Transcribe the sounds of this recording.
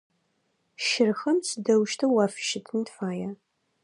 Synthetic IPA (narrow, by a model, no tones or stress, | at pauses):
ʃɪrxɐmsɨdɐwʃtʰɨwɑːfʃɪtʰɨntfaːja